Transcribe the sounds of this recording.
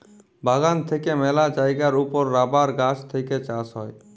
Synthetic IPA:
bʱaɡant̪ʰekemelad͡ʒajɡaɾupɔɾːabaɾɡat͡ʃt̪ʰejket͡ʃasɦɔe

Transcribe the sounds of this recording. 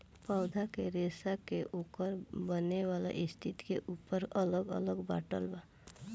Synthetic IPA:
pəːd̪ʱakeɾeːsakeʔuːkəɾbəneʋaːla̰ʔɪst̪ʰɪt̪keʔuːpəɾələɡə̰ləɡbaːʈəlba

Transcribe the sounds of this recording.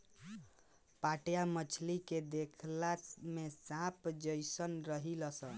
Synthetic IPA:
paʈjamət͡ʃʰliked̪ekʰlamesãpd͡ʒəjsənɾəɦiləsə̃

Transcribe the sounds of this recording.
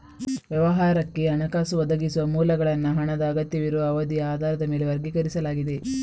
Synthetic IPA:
ʋjɐʋɐɦaːɾɐkːe̞ɐnɐkaːsuʋɐd̪ɐɡisuʋɐmuːlɐɡɐɭɐnːɐɦɐɳɐd̪ɐːɡɐt̪jɐʋiɾuʋɐːʋɐd̪ijɐaːd̪ʱaːɾɐd̪ɐme̞ːle̞ʋɐɾɡikɐɾisɐlaːɡid̪e̞

